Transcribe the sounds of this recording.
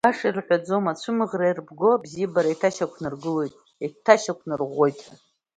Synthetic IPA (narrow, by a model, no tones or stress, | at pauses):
aʂirħʷᶣad͡zomat͡ʃʷʰɨmɨʁrajrbɡo̞bzijbaɾaitʰaʃakʷʰnɨrɡɨle̞jtʼ | itʰaʃakʷʰnɨrʁʷojtʼ